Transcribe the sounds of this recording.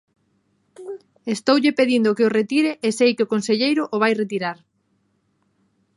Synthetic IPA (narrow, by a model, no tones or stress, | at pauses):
est̪owʎɪpeðind̪okeoret̪iɾeʔesejkɪokonseʎejɾʊʔʊβ̞ajret̪iɾaɾ